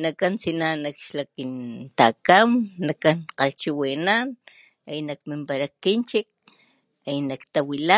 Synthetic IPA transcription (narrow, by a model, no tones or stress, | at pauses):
nakansinanakʃlakint̪akamnakanqalt͡ʃiwinan | ainakmimpaɾakint͡ʃik̚ | ainakt̪awila